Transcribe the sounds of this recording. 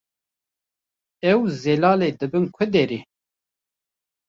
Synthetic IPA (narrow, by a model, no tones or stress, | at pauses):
ɛwzɛlɑːleːd̪ɨbɨnkʷʰɨd̪eːɾi